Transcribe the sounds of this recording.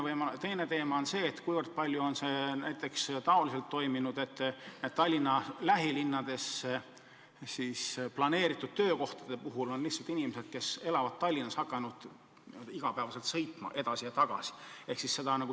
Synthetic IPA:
vɤjmɑt̪e̞jne̞t̪e̞ːmɑonse̞ːt̪kujvɤrd̪̥̚pɑlʲjuo̞nse̞næ̰jt̪ːˑe̞kst̪ɑo̞lise̞lt̪ːo̞jminud̪̥e̞t̪ːned̪̥t̪ɑlʲːinːɑlæɦilinːɑd̪̥e̞se | sisplɑne̞ːɾit̪ːˑud̪̥̚t̪øːko̞ht̪ɑd̪̥e̞puɦulo̞nlihtsɑlt̪inimese̞d̪̥̚ke̞se̞lɑvɑd̪̥̚t̪ɑlʲːinːɑshɑkːˑɑnud̪̥ | iɡ̥ɑpæːvɑse̞lt̪sɤ̞jt̪mɑ̰ʔe̞d̪̥ɑsijɑt̪ɑɡ̥ɑ̰si̥e̞hksisːe̞d̪ɑnɑɡu

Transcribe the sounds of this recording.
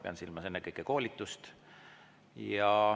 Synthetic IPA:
peɑ̰nsilmɑse̞nːekɤjkːeko̞ːlʲit̪ːˑust̪ | jɑ

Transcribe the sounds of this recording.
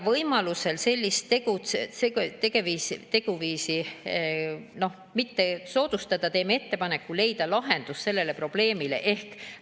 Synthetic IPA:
vɤjmɑluse̞lse̞lʲːist̪ːe̞ɡ̥ut̪seet̪eɡ̥e̞viːst̪e̞ɡ̥uviːsi | no̞h | mit̪ːe̞so̞ːd̪̥ust̪ɑd̪̥ɑt̪eːmee̞t̪ːe̞pɑnekːule̞jd̪̥ɑlɑɦe̞nd̪̥usːe̞lːe̞le̞pro̞b̥le̞ːmile̞̰ʔe̞hk

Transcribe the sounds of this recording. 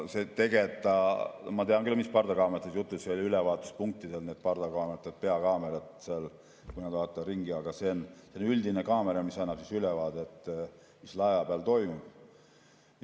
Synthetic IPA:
set̪e̞ɡet̪ːˑɑmɑt̪eɑŋkylmispɑrd̪ɑkɑːmeɑt̪ːˑed̪jut̪ːˑusseoliylɛvɑːt̪ːˑu̥spuŋk̚t̪ːid̪elne̞d̪̚pɑrd̪̥ɑkɑːmeet̪ːˑet̪̚pe̞ɑkɑːmeɾɑt̪seɑl | kujnɑd̪vɑːt̪ːˑɑriŋɡiɑɡ̥ɑse̞nsenyld̪inekɑːmeɾɑmisɑnːɑb̥sisylɛvɑːd̪et̪ː | mislɑevɑpeɑlt̪o̞jmub̥

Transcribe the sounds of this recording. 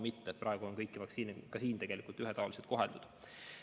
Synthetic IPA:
mit̪ːet̪prʔɑeɡ̥uo̞nkɤjkːivɑksiːnekɑsiːnt̪eɡ̥e̞likˑult̪ːyɦet̪ɑɑliset̪̚ko̞ɦeld̪ud̪̥

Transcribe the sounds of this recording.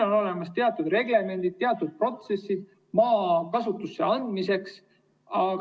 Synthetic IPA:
o̞no̞le̞mɑst̪e̞ɑt̪ːˑud̪re̞ɡle̞me̞nd̪̥it̪̚t̪ːe̞ɑt̪ːˑud̪̥̚pro̞t̪se̞sːid̪̥̚ | mɑːkɑsut̪ːˑusːe̞ɑnd̪̥mise̞ks | ɑ

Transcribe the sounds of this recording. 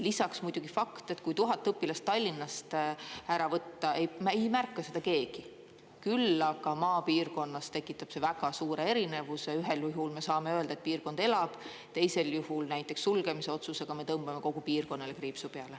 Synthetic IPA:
lisɑksmujd̪̥uɡ̥ifɑkt̪e̞t̪kujt̪uɦɑt̪ːˑɤpːˑilɑst̪ːɑlʲːinːɑst̪æɾɑvɤt̪ːɑe̞jmejmærkˑːɑse̞d̪̥ɑke̞ːɡ̥i | kylːɑɡ̥ɑmɑːpiːrko̞nːɑst̪ekːˑit̪ːˑɑb̥se̞væɡ̥ɑsuːɾe̞e̞ɾine̞vuseyɦe̞luɦulme̞sɑːme̞øeld̪ɑe̞t̪̚piːrko̞nd̪̥e̞lɑb̥ | t̪e̞jse̞ljuhulnæjt̪ːˑe̞ksːulɡ̥e̞mise̞o̞t̪suse̞ɡ̥ɑme̞t̪ɤmb̥ɑme̞ko̞ɡ̥upiːrko̞nːele̞kriːpsupeɑle

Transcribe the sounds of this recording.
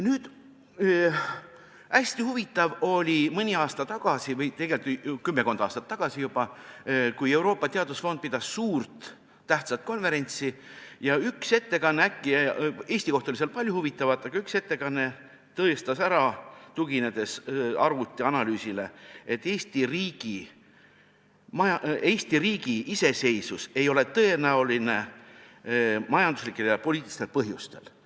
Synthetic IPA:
nyːd̪̥ | æsʲt̪ihuvit̪ːˑɑvo̞lʲimɤnʲiɑːst̪ɑt̪ɑɡ̥ɑsivɤjt̪e̞ɡ̥elt̪kymːe̞ko̞nd̪ɑ̰ːst̪ɑt̪ːɑɡ̥ɑsijubɑkuje̞wɾo̞ːpːɑt̪e̞ɑd̪̥usfo̞nd̪̚pid̪ɑsːuːrt̪ː | æht̪sɑt̪̚ko̞nve̞ɾe̞nʲt̪sijɑykse̞t̪ːe̞kɑnːeækːiɑe̞ːsʲt̪iko̞ht̪oliselpɑlʲjuhuvit̪ːˑɑvɑt̪ːˑɑɡ̥ɑykse̞t̪ːe̞kɑnːe̞ | t̪ɤ̞est̪ɑsæɾɑt̪uɡ̥ine̞d̪̥e̞sɑrvut̪ːˑiɑnɑlyːsile̞et̪ːˑe̞ːst̪iriːɡ̥i | mɑjɑeːsʲt̪iriːɡ̥iʔise̞se̞jsuse̞jo̞le̞t̪ɤe̞næuline̞ | mɑjɑnd̪uslikːˑe̞ljɑpo̞lʲiːt̪ilist̪elpɤɦjust̪e̞̰l

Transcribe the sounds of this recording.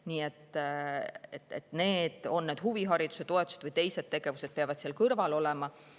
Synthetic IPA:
niːe̞t̪ːˑ | et̪et̪ne̞ːd̪̥o̞nːeːd̪huviɦɑɾid̪̥u̥se̞t̪o̞et̪ːˑu̥sed̪vɨjt̪e̞jse̞d̪̥̚t̪e̞ɡ̥e̞vused̪̥̚peɑvɑd̪̥seːlkɤrvɑlo̞lemɑ

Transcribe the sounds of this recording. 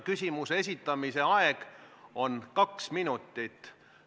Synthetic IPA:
kysʲimusees̬ʲit̪ːˑɑmise̞ɑeɡ̥o̞nkɑksminut̪ːˑit̪ːˑ

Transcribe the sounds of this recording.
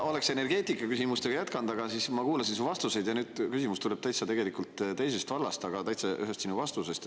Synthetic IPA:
o̞le̞kse̞ne̞rɡ̥e̞ːt̪ikːˑɑkysimust̪e̞ɡɑjæt̪kɑnd̪̥ɑɡɑsismɑkuːlɑsinsuvɑst̪use̞jd̪jɑnyːd̪̥kysimust̪ule̞b̥̚t̪ɑjt̪sɑt̪e̞ɡe̞likult̪ːt̪e̞jse̞st̪vɑlːɑst̪ɑɡɑt̪ɑjt̪sɑʔyɦest̪sinuvɑst̪usest̪

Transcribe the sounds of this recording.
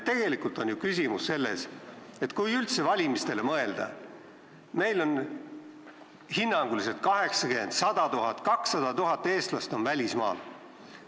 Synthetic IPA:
t̪e̞ɡ̥e̞likˑult̪ˑo̞njukys̬ʲimusːe̞lːe̞̰se̞t̪kujylt̪se̞vɑlʲimist̪e̞le̞mɤe̞ld̪̥ɑ̰ | me̞jlo̞n | hinːɑŋɡuliset̪̚kɑɦe̞ksɑkyend̪̥sɑd̪̥ɑt̪uɦɑt̪ːˑkɑksːɑd̪̥ɑt̪uɦɑt̪ːˑe̞ːst̪lɑst̪o̞nvælʲismɑ̰ːl

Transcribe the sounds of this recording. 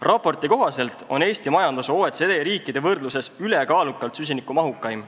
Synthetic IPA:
rɑpːo̞rt̪iko̞ɦɑse̞lt̪ˑo̞ne̞ːsʲt̪imɑjɑnd̪̥uso̞ːet̪sed̪eɾiːkːˑid̪̥e̞vɤrd̪luse̞syle̞kɑːlukːˑɑlt̪sys̬ʲinikːˑumɑɦukːˑɑjm

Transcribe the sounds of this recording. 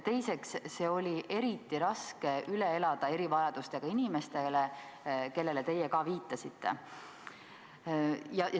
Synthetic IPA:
t̪e̞jse̞ksːe̞ːo̞lʲiʔe̞ɾit̪ːˑiɾɑske̞ylee̞lɑd̪̥ɑe̞ɾivɑjɑd̪̥ust̪e̞ɡ̥ɑinime̞st̪e̞le | ke̞lːe̞let̪e̞jekɑːviːt̪ˑːɑsit̪ːe̞̰ | jɑj

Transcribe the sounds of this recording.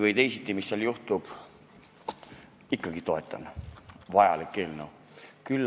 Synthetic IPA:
vəjt̪e̞jsit̪ʲːˑimisːɑljuht̪ub̥ | ikːɑɡit̪o̞e̞t̪ːˑɑ̰nːvɑjɑ̰likːe̞ːlnəw | kylː

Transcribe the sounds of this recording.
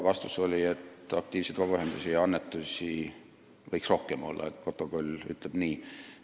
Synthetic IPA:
vɑst̪uso̞lʲie̞t̪ɑk̚t̪iːvsejd̪vɑbɑyhe̞nd̪̥usʲijɑɑnːet̪ːˑusʲi | vɤjksro̞hkemo̞̰lːɑ̰ḛt̪ko̞t̪ːˑo̞kolʲːy̰t̪ˑleb̥niː

